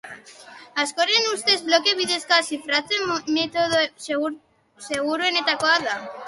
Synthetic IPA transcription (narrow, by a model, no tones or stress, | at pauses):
askoɾenust̪ezβlokeβiðeskasifɾat̪emet̪oðo | seɣuɾoenet̪akwaða